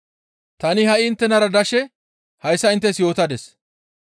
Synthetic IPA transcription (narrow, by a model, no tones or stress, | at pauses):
t̪ɐnɪhɐʔɪɪnt̪ːɛnɐɾɐd̪ɐʃɛ | hɐjsːɐɪnt̪ːɛsjo̞ːt̪ɐd̪ɛs